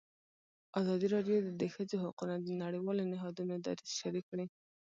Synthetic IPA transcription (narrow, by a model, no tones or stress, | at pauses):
ɑzɑd̪iɾɑɖjod̪əd̪əxəzoɦaqunad̪ənaɽiwɑlonɪɦɑd̪unod̪a̰ɾɪsʃaɾikːɽi